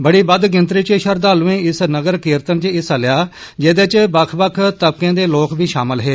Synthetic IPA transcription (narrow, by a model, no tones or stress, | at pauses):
bəɽiːbəd̪ɡɪnt̪ɾiːt͡ʃəʃəɾd̪aːlʋẽːɪsnəɡəɾkɪːɾt̪ənt͡ʃɪsəlɪjaː | d͡ʒeːd̪et͡ʃbəkʰbəkʰt̪əb̚kẽːd̪eːloːkʰbiːʃa̰ːməlɦeː